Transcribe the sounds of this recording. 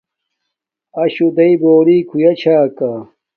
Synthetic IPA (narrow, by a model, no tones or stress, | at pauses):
ɐɕud̪ɐiboːliːkʰujɐt͡ɕʰaːka